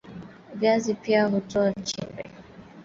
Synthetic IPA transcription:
ɡazipiaɦutɔant͡ʃimbɛ̰

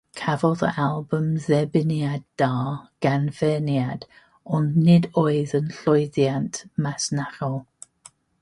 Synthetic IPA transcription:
kʰavɔðə̰ʔalˠbəmðɛbɪnjadaːɡ̥anvɛːnjad̥ | ɔnnɪdoːɨðənɬɔɨðjantʰmasnaɾɔlˠ

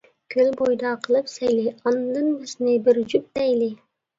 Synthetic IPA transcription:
kʲʰølbojd̪ɑqʰəlˠɨpsæjliɑnd̪ɨnbɪznɪbɪɾd͡ʒup̚t̪æjlɪ

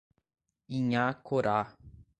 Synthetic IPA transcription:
iɲãkʰoɾa

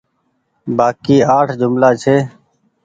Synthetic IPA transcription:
baːkiːaːʈʰd͡ʒʊmlaːt͡ʃʰeː

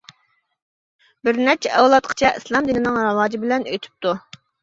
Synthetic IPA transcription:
bɪɾnɛt͡ʃʰɛɛwlˠɑt̪̚qʰə̥t͡ʃʰɛʔislˠɑmd̪ɪnɪnɨŋɾɨwɑːd͡ʒibɪlɛnøjt̪ʰy̥p̚t̪ʰu

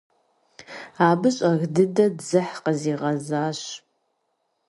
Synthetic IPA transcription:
aːbɨɕʼɐɣdɨdɐdzɨħqəziːʁɐzaːɕ

